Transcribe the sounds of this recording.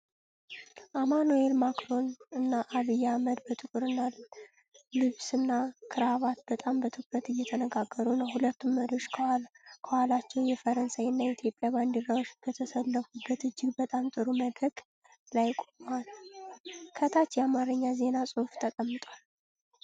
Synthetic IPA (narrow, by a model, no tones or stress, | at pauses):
ʔamanue̞lmakɾo̞nɨnːaʔːβɨjːaməd̪bət̪ʼɨkʼɨɾɨnalː | ɨβsɨnːakʰɨɾaβat̪̚bət̪ʼambət̪ʰɨkɾət̪ɨjːɛt̪ʰənəɡaɡːəɾunəwhulət̪ːumːəɾjo̞t͡ʃːkʰəhalkʰəhalat͡ʃːɛwjɛfəɾənsajɨnːait̪ʰjo̞pʼjaβand̪iɾawt͡ʃb̥ət̪ʰəsəlːəfubət̪ɨd͡ʒːɪɡbət̪ʼamt̪ʼɨɾuməd̪əɡ | lajkʼomal | kʰət̪ʰat͡ʃjɛamaɾɨɲːaze̞nasʼɨhft̪ʰəkʼəmːɨt̪ʼwal